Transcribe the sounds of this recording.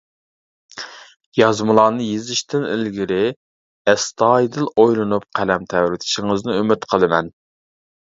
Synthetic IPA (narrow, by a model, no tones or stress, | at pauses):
jɑzmɨlˠɑːnɨjezɪʃt̪ɪnɪ̰lɡʲiɾɪ | ɛst̪ʰɑːjd̪ɨlˠojlˠɨnup̚qʰælɛmt̪ʰɛwɾɪt̪ʰɪ̥ʃɪŋɨznɨømɪt̪qʰəlˠɨmɛn